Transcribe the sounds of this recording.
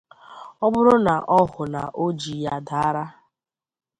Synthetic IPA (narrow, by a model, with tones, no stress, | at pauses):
ɔ˦ɡ͡bʊ˦ɾʊ˦na˨ʔɔ˦ɦʊ˨na̰˨ʔo˦d͡ʒi˨ja˨da˨a˦ɾa˦